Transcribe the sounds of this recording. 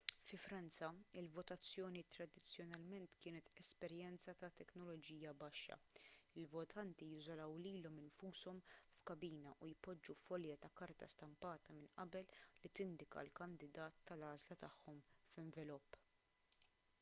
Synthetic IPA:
fɪfɾɐnt͡sɐɪlvɔt̪ɐt͡sːjɔːnit̪ɾɐd̪ɪt͡sːjɔnɐlmɛnt̪kɪːnɛt̪ɛspɛɾjɛnt͡sɐt̪ɐt̪ɛknɔlɔd͡ʒiːjɐbɐʃːɐ̰ɪlvɔt̪ʰɐnt̪ijɪzɔlɐwliːlɔmɪnfuːsɔmfkɐbiːnɐʔujpːɔd͡ʒːufɔljɐt̪ɐkɐɾt̪ɐ̰st̪ɐmpɐːt̪ɐmɪnʔɐbɛlːit̪ɪnd̪ɪkɐ̰lkɐnd̪ɪd̪ɐːt̪ːɐlɐːzlɐt̪ɐħːɔmfɪɱvɪlʊpː

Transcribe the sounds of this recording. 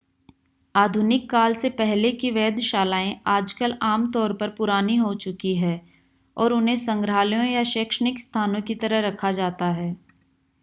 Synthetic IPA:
aːd̪ʱʊnɪkːaːlsepɛɦlekiʋɛːd̪ʱʃaːlaːẽaːd͡ʒkəlaːmt̪ɔːɾpɐɾpʊɾaːniɦot͡ʃʊkiɦɛː | ɔːɾʊnɦẽsə̃ŋɡɾaːlijõjaʃeːkʃənɪkst̪ʰaːnõkit̪ɐɾəɦɾɐkʰad͡ʒaːt̪aɦɛː

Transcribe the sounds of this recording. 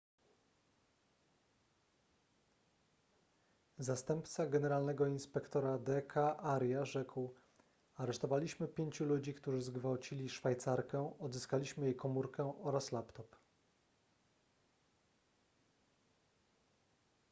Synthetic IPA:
zast̪ɛmpt̪saɡɛnɛɾalnɛɡɔinspɛkt̪ɔɾad̪ɛkʰaʔaɾjaʐɛkw | aɾɛʂt̪ɔvalʲiɕmɘpʲjeɲt͡ɕulud͡ʑikt̪uʐɘzɡvawt͡ɕilʲiʂfajt̪saɾkɛɔd̪zɘskalʲiɕmɘjejkɔmuɾkɛʔɔɾaslapt̪ɔp

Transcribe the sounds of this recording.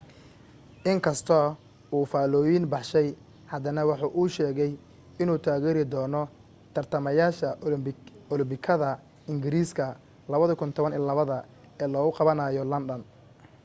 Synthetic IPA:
ʔɪŋkʰɐst̪ʰɔ | ʔuːfaːlɔːjɪnbɑħʃɛj | hɐd̪ɐnɐwɑħuːʔuːʃɛːɣɛj | ɪnuːt̪ʰaːɣɛːɾɪd̪ɔːnɔ | t̪ʰɐrt̪ʰɐmɐjaːʃɐ | ɔlɪmbɪkʰɐðɐ | ɪŋɡɪɾiːskʰɐ | lɐβɐðɔkʰʊnt̪ʰɔβɐniːlɐβɐðɐ | ɛːlɔːɣʊqɑβɐnajɔlɐnɖɐn

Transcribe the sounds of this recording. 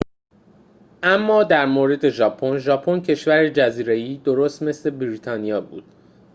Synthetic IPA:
ʔæmːɒːd̪æɾmoːɾe̞d̪e̞ʒɒːpʰonʒɒːpʰoncʰe̞ʃvæɾed͡ʒæziːɾe̞jiːd̪oɾoːst̪me̞sle̞bɾiːt̪ʰɒːnijɒːbṵːd̪̥̚

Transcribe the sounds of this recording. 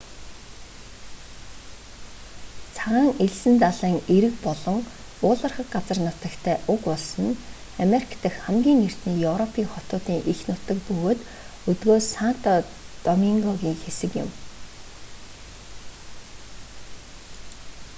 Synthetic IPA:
t͡sʰaʁaːŋeɮsɘ̆nt̪aɮiːŋeɾɘ̆kpɔɮɞ̆ŋ | ʊːɮə̆rχə̆kɢat͡sə̆rnʊt̪ə̆kt̪ʰæːʔʊkpɔɮsɞ̆n | ameɾikʰt̪ə̆xχæmɡʲiːŋer̥t̪niːjɵwɾɔpʰiːŋχɔt̪ʊːt̪iːŋʔixnʊt̪ə̆kpɵɣoːt̪ | ɵt̪ɣoːsan̥t̪ɔ | t̪ɔmiŋɡɔɣiːŋxesɘ̆kjɪ̰̆m

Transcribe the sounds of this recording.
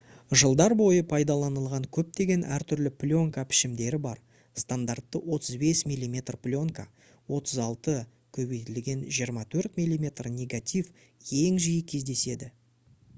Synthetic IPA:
ʒəlˠd̪ɑɾbo̞jəpʰɑjd̪ɑlˠɑnəlˠʁɑŋkʲʰɵp̚t̪e̞ɡʲe̞nʔæ̰ɾt̪ʰʏɾlɪplʲo̞ŋkapʰɪ̥ʃɪmd̪e̞ɾɪbɑɾ | st̪and̪art̪ːəwo̞t̪əzbe̞smʲijlʲːˠimʲe̞t̪rplʲo̞ŋka | wo̞t̪ʰəzɑlˠt̪ə | kʲʰɵbejt̪ɪlɡʲe̞nʒijəɾmɑt̪ʰɵɾt̪mʲijlʲˠimʲe̞t̪rnʲe̞ɡat̪ʲif | jeŋʒijɪkʲʰe̞zd̪e̞se̞d̪ɪ

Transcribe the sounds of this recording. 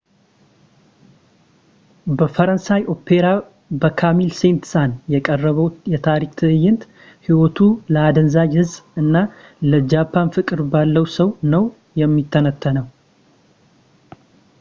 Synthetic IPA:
bəfəɾənsajo̞pʰeɾa | bəkʰamilse̞nt̪sanjɛkʼərːəβəwjɛt̪ʰaɾikt̪ʰɨɨjːɪnt̪ | hiwot̪ʰuləad̪ənzad͡ʒhɨzɨnːa | ləd͡ʒapʰːanfɨkʼɨɾbalːəwsəwnəw | jɛmːit̪ʰːənət̪ʰːənəw

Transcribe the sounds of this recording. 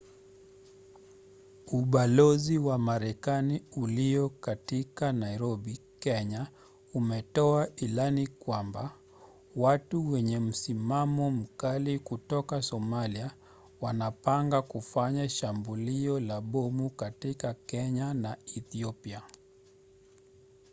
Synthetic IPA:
uɓalɔziwamaɾɛkaniuliɔkatikanaiɾɔɓikɛɲa | umɛtɔailanikwamba | watuwɛɲɛm̩simamɔm̩kalikutɔkasɔmalia | wanapaŋɡakufaɲaʃambuliɔlaɓɔmukatikakɛɲanaiθiɔpia

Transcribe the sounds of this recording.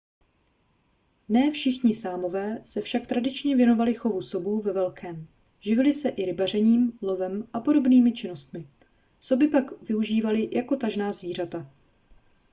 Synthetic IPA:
nɛːfʃɪxɲɪsaːmo̞vɛːsɛfʃak̚t̪ɾadɪt͡ʃɲɛvjɛno̞valɪxo̞vuso̞buːvɛvɛlkʰɛːm | ʒɪvɪlɪsɛʔɪɾɪbar̝ɛɲiːmlo̞vɛmʔapo̞do̞bniːmɪt͡ʃɪno̞st̪mɪ | so̞bɪpakvɪuʒiːvalɪjʔako̞t̪aʒnaːzviːr̝at̪a

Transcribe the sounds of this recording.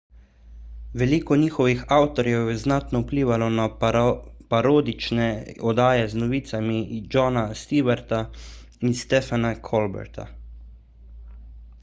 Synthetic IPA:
ʋɛliːkɔniːxɔʋixawt̪ɔɾjɛwjɛznat̪nɔupliːʋalɔna | paɾoːd̪it͡ʃnɛɔd̪aːjɛznɔʋiːt̪samid͡ʒɔːnast̪iːʋɛɾt̪a | inst̪ɛfanakʰɔlbɛ̰ɾt̪ʰa̰

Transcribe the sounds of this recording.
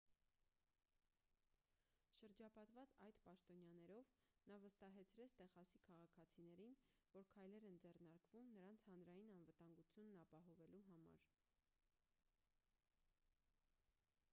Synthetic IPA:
ʃəɾd͡ʒɑpɑt̪vɑt͡sɑjd̪pɑʃt̪ɔnjɑnɛɾɔvnɑvəst̪ɑɦɛt͡sʰɾɛt͡sʰt̪ɛχɑsikʰɑʁɑkʰɑt͡sʰinɛɾinvɔɾkʰɑjlɛɾɛnd͡zɛrnɑɾkvumnəɾɑnt͡sʰhɑnɾɑjinɑnvət̪ɑŋɡut͡sʰjunːɑpɑɦɔvɛluɦɑmɑ̰ɾ

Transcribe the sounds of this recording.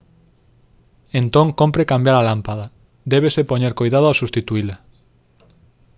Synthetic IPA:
ent̪õŋkompɾekambjaɾalampaða | d̪ɛβ̞esepoɲeɾkojðað̞ʊasust̪it̪uila

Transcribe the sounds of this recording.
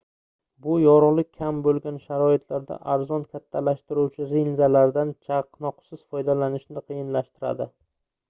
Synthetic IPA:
bʊjɒɾlˠɪk̚ʲʰːambolˠɡʲanʃaɾɒɪt̪ʰlaɾd̪a̰ʔaɾzɒnkʲʰat̪ʰːalaʃt̪ɪɾuwt͡ʃʰɪɾinzalaɾd̪ant͡ʃʰaqnɒqsɪz̥fɒjd̪alanɪʃnɪqʰɨjɪnlaʃt̪ɪɾa̰d̪ɪ

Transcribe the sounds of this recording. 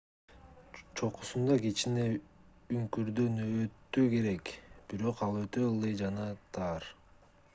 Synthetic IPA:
t͡ʃʰo̞qu̥sund̪ɑket͡ʃine | yŋkyɾd̪ønøt̪ːyke̞ɾe̞kb̥iɾo̞qɑlˠøt̪ø̞ɯlˠɯjd͡ʒɑnɑt̪ʰɑːɾ

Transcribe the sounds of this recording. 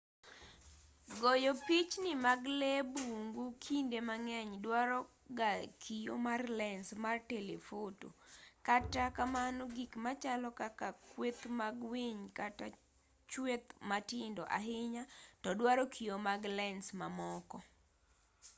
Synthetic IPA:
ɡojopit͡ʃnɪmaɡlɛbuŋɡukʰindemaŋɛɲdwaɾɔ | ɡakʰijo̰marlɛnsmartelefoto̰katakamanɔɡikmat͡ʃalɔkakakwet̪maɡwiɲkata | t͡ʃwet̪matɪndɔʔa̰ɦɪɲatɔdwaɾɔkʰijomaɡlɛnsmamɔkɔ

